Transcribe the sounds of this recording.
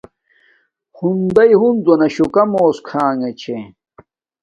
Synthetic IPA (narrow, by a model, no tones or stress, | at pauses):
hund̪ɐjɦund̪wɐnɐɕukɐmoːskʰaːŋɐt͡ɕʰe